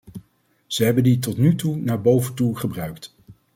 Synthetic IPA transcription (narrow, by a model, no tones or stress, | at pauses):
z̥əɦɛbənditɔtnytunaːɹbowvəntuχəbrœɥkt